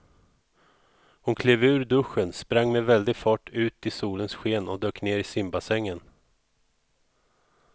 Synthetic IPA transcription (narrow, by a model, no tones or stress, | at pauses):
hʊnkʰleːvʉ̟ːɾɖ̪ɵɧənspɾaŋːmɛvɛld̪ɪɡfɑːʈːʉ̟ːt̪ɪsuːlənsɧeːnɔd̪øːkneːɾɪsɪmbasɛŋːən